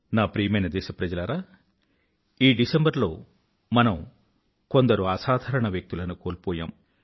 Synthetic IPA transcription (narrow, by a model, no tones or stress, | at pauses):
naːpɾiːjɐmɐjnɐd̪ɛːʃɐpɾɐd͡ʒɐlɐɾaː | iːɖisembɐɾlo̞ː | mɐnɐm | ko̞nd̪ɐɾuaːsaːd̪ʱɐɾɐɳɐʋjɐk̚t̪ulɐnukoːlpɔːja̰ːm